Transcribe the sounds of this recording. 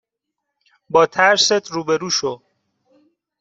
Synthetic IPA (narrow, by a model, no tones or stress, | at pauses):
bɒːt̪ʰæɾset̪ʰɾuːbeɾuːʃo